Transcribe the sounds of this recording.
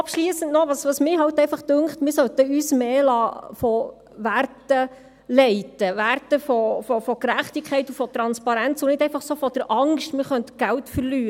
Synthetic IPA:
ɑpʃliːəsəntnɔʋɑsʋɑsmɪɦɑlt̪ɛɪfɑχtʉŋkχtmɪɾsœt̪əyːsmeːlɑːfɔ | ʋærtə | lɛɪtəʋærtəfɔfɔfɔkɾæχtɪkʰχɛɪtufɔt̪ɾɑnspɑɾænt͡sunɪdɛɪfɑχsofɔd̥əɾʔɑŋʃtmɪːɾχœntə̥ɡ̥æltfəɾlyːə

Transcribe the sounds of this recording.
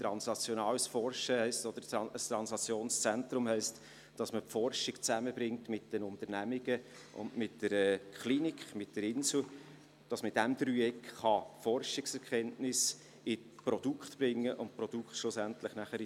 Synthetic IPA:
t̪ɾɑnsnɑt͡sjɔnɑːləsfɔɾʃəhɛɪstod̪̥əɾəst̪ɾɑnsɑt͡sjoːnst͡sɛnt̪ɾʊmhɛɪst | d̥ɑsməpfɔɾʃɪɡt͡sæməbɾɪŋtmɪtd̥ənʊntəɾnæmiɡ̥ə | ʔʊ̰ndmɪtdəɾɛkʰχlinikχmɪt̚d̥əɾɪnsl̩ | d̥ɑsməd̥æmd̪̥ɾyːɛkχɑfɔrʃɪksɛɾkʰχɛntnɪs | ɪ | prɔd̥ukχtb̥ɾɪŋːəʔʊntpɾɔd̥ukχtʃlʊsæntlɪχnæχəɾ

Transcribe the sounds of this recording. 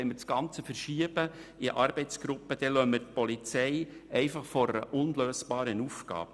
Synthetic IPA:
ɛɪməsɡ̥ɑnt͡səfərʃiəbəɪʔɑɾb̥ɛɪt͡sɡ̥ɾʊpːəd̪̥ɛlœməɾt̪̚pɔlit͡sɛɪɛɪfɑχfɔɾəʔʊnløːsb̥ɑːɾənufɡ̥ɑ̰ːb̥ə

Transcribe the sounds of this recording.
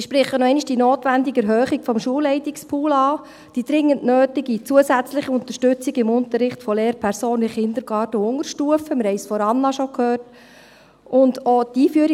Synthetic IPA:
ʃpɾɪχənɔɛɪniʃd̥inoːtʋændɪɡɛɾɦœːχiɡ̥fɔmʃuəlːɛɪtikspʰuːlɑː | d̥iːd̥ɾɪŋːəntnøːtiɡit͡suəsæt͡slɪχəʊnt̪əɾʃtʉt͡siɡɪmʊntəɾːɪχtfɔleːɾpʰɛɾsoːnɪχɪnd̪əɾɡ̥ɑːtəʊŋəɾʃtuəfəmɪɾhɛɪsfɔɾɑnːɑʃɔkʰhøːrt | ʔʊndotiːfyəɾi

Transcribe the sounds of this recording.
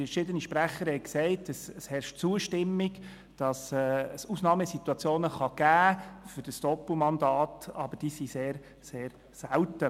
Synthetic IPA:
əʃɪd̪əniʃpɾæχəɾhɛɪksɛɪtəsshɛɾʃtt͡suːəʃtɪmːɪɡ | d̥ɑsɛsusnɑːməsit̪uɑt͡sjoːnəχɑɡ̥æːfʏɾd̥əsd̥ɔpumɑndɑːtɑb̥əd̥iːsiseːɾ | seːɾ | sæltə

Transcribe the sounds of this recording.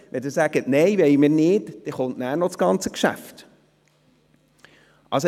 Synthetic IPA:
ʋɛd̪ɪːɾsæɡ̥ətneɪʋɛɪmɪːɾnɪːtd̥ɛχʊntnæːɾnɔt͡sɡ̥ɑnt͡səkʃæ̰ft | ʔɑ̰ls

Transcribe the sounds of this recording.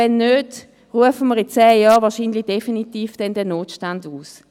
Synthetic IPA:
ɛnːøːd | ʁuəfəməʁɪt͡sɛːjɑːʁvɑːɐʃiːnlɪd̥efinitiːfd̥ɛndɛnoːtʃtanduːs

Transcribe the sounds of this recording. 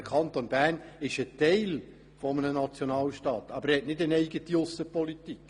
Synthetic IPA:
əkʰɑntonb̥æːrnɪʃəteɪl | fɔmənənɑt͡sjonɑːlʃtɑːt̪ɑb̥əɾhɛtnɪdənɛɪɡətiʊsːəpɔlitik

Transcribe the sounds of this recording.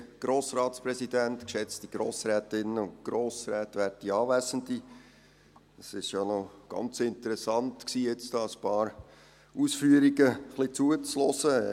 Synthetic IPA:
ɡ̥ɾoːsɾɑːtspɾɛsidæntkʃɛt͡stiɡ̥ɾoːsɾɛːtɪnəʊntɡ̥ɾoːsɾɛːtʋætiɑːvæɪzən̩di | ɑsɪʃjonoɡ̥ɑ̰nt͡sɪntəɾɛsɑntksiːjɪt͡sd̥ɑːəspɑːɾ | uːsfyːəɾiɡəχlit͡suət͡sloːsə

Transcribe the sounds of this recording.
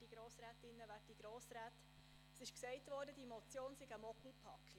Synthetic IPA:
d̥iɡ̥ɾoːsɾæːtɪnːəʋæːd̥iɡ̥ɾoːsɾæːt | sɪʃksɛɪtʋɔːɾdəd̥imɔt͡sjoːnsiɡamɔkl̩pʰɑki

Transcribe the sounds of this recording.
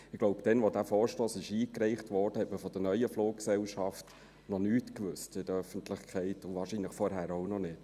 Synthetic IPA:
ɪɡ̥loʊbd̥ɛnʋodæfɔːɾʃtɔːsɪʃiːkɾɛɪχtʋɔrd̥əhɛtməfɔd̥ənœʏəfloːkksɛʊʃɑft | nɔnyːtkʋʏstɪd̥əɾœfənt̪lɪχkʰχɛɪtʊʋɑːɾʃinləχfɔɾɦæːɾoʊnɔnɪt

